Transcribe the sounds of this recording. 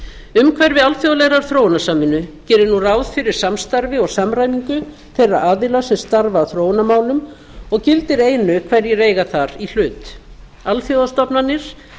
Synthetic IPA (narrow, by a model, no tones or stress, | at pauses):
ʏmkʰvɛɾvɪalθjowalɛɣɾaɾ̥θɾoːwnasaːmɪnʏcɛːɾɪɾnuraːwðfɪɾɪɾ̥samst̪aɾvɪɔɣsamɾaːjmiŋkʏ | θejra̰ʔaːðɪlasɛmst̪aɾvaːwθɾoːwnamaːwlʏm | ɔɣcɪlt̪ɪɾeːjnʏkʰv̥ɛɾjɛɾeːjɣaθaɾil̥ʏːt̪ | alθjowðast̪ɔpnanːɪɾ̥